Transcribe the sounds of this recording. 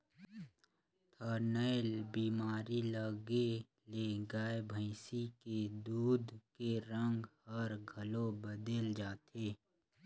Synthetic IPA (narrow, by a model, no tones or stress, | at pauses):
t̪ʰəɾnəɪlbiːmaːɾiləɡe | leɡaebʱə̃ɪsiked̪uːd̪keɾə̃ŋɡhəɾɡʱɐlõbəd̪eld͡ʒaːt̪ʰeː